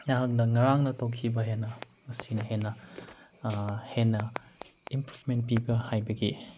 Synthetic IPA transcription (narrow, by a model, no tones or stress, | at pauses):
jaɦak̚nɐŋɐɾaŋnɐtokʰibɐɦenːɐ | mɐsinɐhenːɐ | henːɐimpɾufment̚pibɐhajbɐɡi